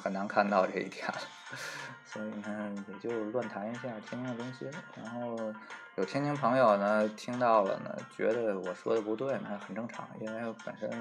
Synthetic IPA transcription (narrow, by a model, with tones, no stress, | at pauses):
xə˨˩na˧˥nkʰa˥˧nt̪ɑ˥˧ʊʈ͡ʂɤ˥˩ḭ˧˥t̪ʰja̰˥˩lə | swɔ˧˥i˨˩nə˧jɛ˨˩t͡ɕjo˥˧ʊlwa˥˩nt̪ʰa˧˥ni˧˥ɕ̬ja˥˩t̪ʰi˥nt̪ʰi˥ŋd̪ə˨t̪ʊ˥ŋɕi˨ɻa˧˥nxo˥˩ʊjo˨˩ʊt̪ʰɛ˥nʰi˥ŋpʰɤ˧˥ŋjo˨˩ʊnə˩t̪ʰi˥ŋt̪ɑ˥˩ʊlə̰˩nə̰˩t͡ɕɥɛ̰˧˥d̪ə˧wɔ˨˩ʂwɔ̰˥d̪ə˨pu˧˥t̪we˥˩ɪna˧˥xə˨˩nʈ͡ʂɤ˥˩ŋʈ͡ʂʰɑ̰˧˥ŋḭ˥a˥pə̰˨˩nʂə˥n